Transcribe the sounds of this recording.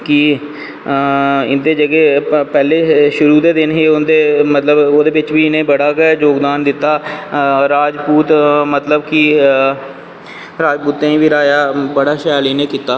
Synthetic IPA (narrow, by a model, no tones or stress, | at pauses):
kɪ | ɪnd̪eːd͡ʒəɡeːpɛːleːʃʊɾuːd̪eːd̪ɪnɦeːʊnd̪eːmət̪ləboːd̪eːʋɪt͡ʃʋiːɪnẽːbəɽaːɡd͡ʒoːɡd̪aːnd̪ɪt̪ːaːɾaːd͡ʒpuːt̪mət̪ləbkɪ | ɾaːd͡ʒpuːt̪ːẽːĩːʋiːɾaːjaːbəɽaːʃəjaːliːneːkiːt̪ːaː